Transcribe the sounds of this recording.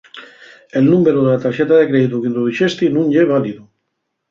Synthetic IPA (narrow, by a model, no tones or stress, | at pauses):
elnũmbeɾuðelat̪aɾʃet̪aðekɾeðit̪ukind̪oðiʃest̪inũnʎeβ̞aliðu